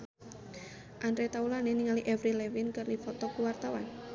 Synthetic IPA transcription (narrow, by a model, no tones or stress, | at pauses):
ʔanɾet̪aulaneniŋaliʔɛvɾilewinkərlifɔt̪ɔkuwart̪awan